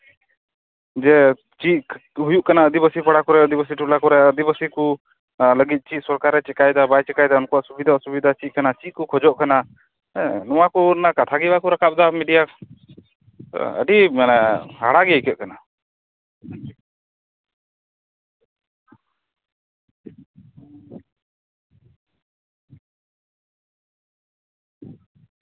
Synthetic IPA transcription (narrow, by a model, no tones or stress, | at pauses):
d͡ʒɛ | t͡ʃit̪̚ɦujuʔkanaəd̪ibəsipəɽakuɾɛəd̪ibəs̬iʈulakuɾɛəd̪ibəsiku | ləɡit̪̚ˀt͡ʃit̪̚ˀsɔɾkaɾɛt͡ʃɛkajd̪abajt͡ʃɛkajd̪aɔnkɔaʔsubid̪ʱasubid̪ʱat͡ʃit̪̚kanat͡ʃikukʰɔd͡ʒɔʔkana | nɔwakunakat̪ʰaɡɛbakuɾakap̚d̪amiɖija | ə̰ɖimanahaɽaɡɛəjkɛʔ̪̚kana